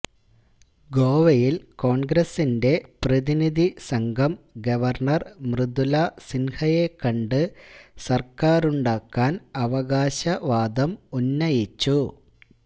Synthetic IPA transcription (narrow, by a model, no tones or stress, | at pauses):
ɡo̞ːʋɐjilko̞ːɳɡɾɐsinde̞prɐðiniðʱisɐŋɡʱɐmɡɐʋɐrɳɐrmrɨd̪ulɐsinhɐjekːɐɳɖɨsɐrkaːruɳɖaːkːaːnɐʋɐɣaːɕɐʋaːd̪ɐmunːɐjit͡ɕːu